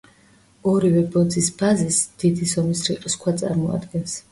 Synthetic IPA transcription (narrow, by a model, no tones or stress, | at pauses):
ɔɾivɛbɔd̪zisbʰazisd̪̥id̪isɔmisɾiqʼskʰwat̪sʼa̰ɾmɔa̰d̪ɡɛns